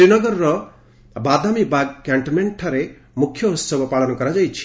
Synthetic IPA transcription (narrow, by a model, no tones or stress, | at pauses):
ɾinɔɡɔɾɾɔ | bad̪amibaɡkaɳʈmeɳʈʰaɾe | mukʰːjɔɦussɔbɔpaɭɔnɔkɔɾad͡ʒajt͡ʃʰi̥